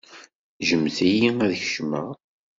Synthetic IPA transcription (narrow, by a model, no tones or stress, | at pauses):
ʒəmːθæjiæðçəʃmə̰